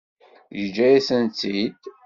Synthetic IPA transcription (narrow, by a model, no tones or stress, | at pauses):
jəd͡ʒːæjæsənt͡s̪ːid̪